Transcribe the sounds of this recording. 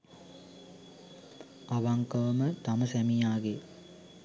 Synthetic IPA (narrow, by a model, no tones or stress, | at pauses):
aʋaŋkəʋəmət̪aməsæmijaːɡe